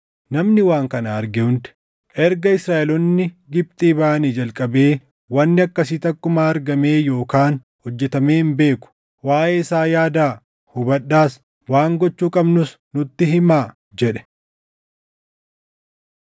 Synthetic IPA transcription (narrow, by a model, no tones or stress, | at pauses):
nɐmnɪwaːŋkɐnɐːɾɡɪhʊnt̪ɪ̥ | ʔɛɾɡɐɪsɾaːʔɛlɔnːɪ | ɡɪb̚t̪ʼiːbaʔɐniːd͡ʒɐlkʼɐbe̞ː | wɐnːɪɐkːɐsiːt̪ɐkːʊmaːɐɾɡɐme̞ːjo̞ːkaːn | hɔd͡ʒːɛt̪ɐme̞ːnbe̞ːkʊ̥ | waːʔeːɪsaːjaːd̪aː | hʊbɐɗːaːs | waːŋɡɔt͡ʃːuːkʼɐbnʊs | nʊt̪ːɪɦɪmaː | d͡ʒɛᶑɛ̥